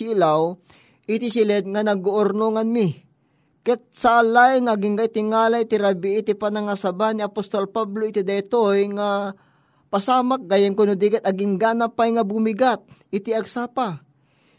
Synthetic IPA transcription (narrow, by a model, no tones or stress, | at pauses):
ilaw | ʔit̪ɪsɪlɛd̪̚ŋanɐɡoʔʊɾnoŋanmi | kɛt̪̚saʔalajŋaɡɪŋɡajt̪ɪŋaːlajt̪ɪɾɐbiʔit̪ɪpanɐŋasɐbaniɐpost̪olpabloɪt̪ɪd̪ajt̪ojŋa | pɐsaːmak̚ɡajɪŋkʊnʊd̪ikɛt̪ɐɡɪŋɡanapːajŋabumɪɡat̪̚ɪt̪ɪʔɐɡsapa